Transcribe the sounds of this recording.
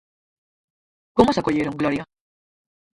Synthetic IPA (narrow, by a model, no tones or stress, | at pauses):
komosakoʎeɾoŋɡloɾja